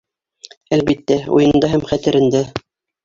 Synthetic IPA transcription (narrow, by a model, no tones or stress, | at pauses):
ælbit̪ːæṵjɤ̆nd̪ɑɦæmχæt̪ɘ̆ɾɘ̆nd̪æ